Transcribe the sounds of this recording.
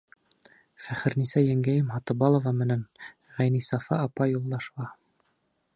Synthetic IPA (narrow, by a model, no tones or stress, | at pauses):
fæχɘ̆ɾnisæjæŋɡæjɘmɦɑt̪ɤbɑlˠŏvɑmɘ̆næn | ʁæjnisɑfɑːpɑjulˠd̪ɑʃɑ